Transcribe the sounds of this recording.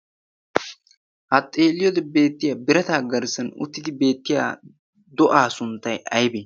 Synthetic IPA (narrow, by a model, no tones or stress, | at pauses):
ʔɐt̪ʼːe̞ːlɪjod̪ɛbe̞ːt̪ːɪjaːbɪɾɐt̪aːɡɐɾsɐnʊ̰t̪ːɪd̪ɪbe̞ːt̪ːɪja̰ː | d̪ɔʔaːsʊnt̪ːɐjɐjbe